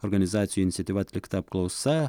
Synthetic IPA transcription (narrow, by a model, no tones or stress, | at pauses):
oɾɡɐnʲɪzɑːt̪sʲjuɪnʲt̪sʲɛt̪ʲiʋɐɐt̪ʲlʲɪkt̪ɐp̚klˠɒʊsɐ